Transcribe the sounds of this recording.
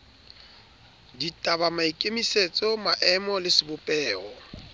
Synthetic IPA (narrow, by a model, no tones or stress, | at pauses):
ditʼabamaikʼemiset͡sʼɔmaʔɛmɔlɪsɪbʊpʼɛːɔ